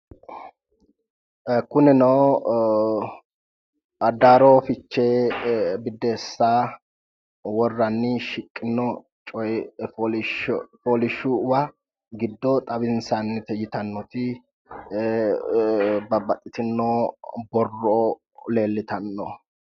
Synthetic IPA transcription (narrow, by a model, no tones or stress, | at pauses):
kʊnɪnɐw | ɐd̪ːaːɾoːfɪt͡ʃːe | bɪd̪ːeːsːaː | wɔrːɐnːɪʃɪkʼːɪnːɔ | t͡ʃʼɔj | poːlɪʃʊwɐ | ɡɪd̪ːɔt̪ʼɐbɪnsanːɪt̪ɛjɪt̪ɐnːɔt̪ɪ | bɐbɐt̪ʼɪt̪ɪnːobɔrːo | le̞ːlːɪt̪ɐnːɔ